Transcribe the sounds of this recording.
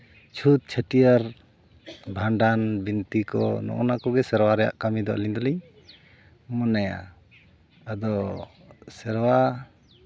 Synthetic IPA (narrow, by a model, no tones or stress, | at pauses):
t͡ʃʰut̪̚t͡ʃʰəʈijaɾ | bʱaɳɖanbint̪ikɔ̰nɔ̰ʔɔ̰nakɔɡɛsɛɾwaɾɛja̰ʔkamid̪ɔʔa̰liɲd̪ɔliɲ | mɔnaja̰ | ad̪ɔ | sɛɾwa